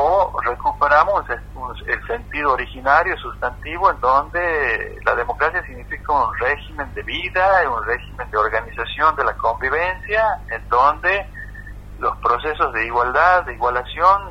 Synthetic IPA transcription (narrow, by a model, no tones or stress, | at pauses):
orekupeɾamose | unelse̞nt̪iðoːɾixinaɾjosust̪ant̪iβoend̪ond̪ela̰ð̞emo̞kɾasjasiɣnifikaunreximẽ̞nd̪eβiðaunrexime̞nd̪eoɾɣanisasjo̞nd̪e̞lako̞mbiβ̞ensjaend̪ond̪e | lospɾoses̬ozðe̞iɣwald̪aðːeiɣwalasjo̞n